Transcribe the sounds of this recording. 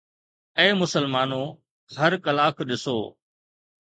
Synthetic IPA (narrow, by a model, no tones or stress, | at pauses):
ẽːmʊsəlmaːnoː | həɾkəlaːkɗɪso̰ː